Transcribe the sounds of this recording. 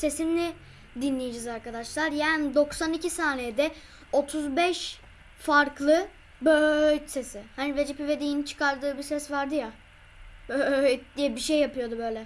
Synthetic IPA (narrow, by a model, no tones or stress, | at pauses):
se̞sinlʲɛ | d̪inlʲejid͡ʒizaɾkad̪aʃlˠaɾjaːnid̪o̞ksanicʰisaːnejd̪ɛ | o̞t̪ʰuzbɛʃ | faɾklˠɯ | bøjse̞sɪhanved͡ʒipive̞d̪ijint͡ʃʰɯ̥kaɾd̪ɯːbisɛsvaɾd̪ɯja | bøjd̪ijɛbiʃejːapɯjo̞d̪ubø̞jlʲɛ